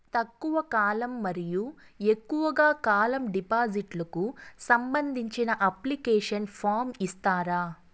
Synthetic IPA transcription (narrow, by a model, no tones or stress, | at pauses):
t̪ɐkːuʋɐkaːlɐmːɐɾiju | ekːuʋɐɡaːkaːlɐmɖipaːd͡ʒiʈlɐkusɐmbɐnd̪ʱiɲt͡ʃinɐʔɐplikɛːʂɐnpʰaːɾmist̪aːɾaː